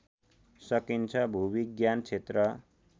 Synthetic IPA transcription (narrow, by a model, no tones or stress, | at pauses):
sʌkint͡sʰʌbʱubiɡjant͡sʰet̪rʌ